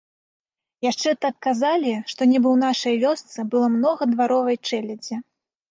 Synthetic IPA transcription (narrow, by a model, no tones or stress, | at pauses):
jaʂt͡ʂɛt̪at̪̚kazalʲiʂt̪ɔnʲɛbɨwnaʂɐjvʲɔst̪sɨbɨlˠɔmnɔɣɐd̪vaɾɔvɐjt͡ʂɛlʲɐd͡zʲɛ